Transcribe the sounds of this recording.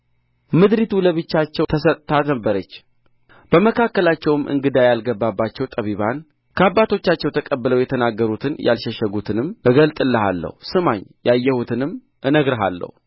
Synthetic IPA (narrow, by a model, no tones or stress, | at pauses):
mɨd̪ɾit̪ʰuləβɨt͡ʃːat͡ʃːɛwt̪ʰəsət̪ʼt̪ʰat̪nəbːəɾət͡ʃː | b̥əməkʰakːəlat͡ʃːɛwɨmʔɨ̰ŋɡɨd̪ajalɡəbːabːat͡ʃːɛwt̪ʼəβiβan | kʰəabːat̪ʰo̞t͡ʃːat͡ʃːɛwt̪ʰəkʼəbːələwjɛt̪ʰənaɡːəɾut̪ʰɨnjʔa̰lʃəʃəɡut̪ʰɨnɨmɨɡəlt̪ʼɨlːəha̰lːə̰husɨmaɲjajːɛhut̪ʰɨnɨm | ʔɨnəɡɾəɦa̰lːə̰hu